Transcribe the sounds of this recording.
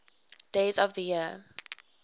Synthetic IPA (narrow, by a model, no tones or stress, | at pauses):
d̥eɪzɔvðəjiə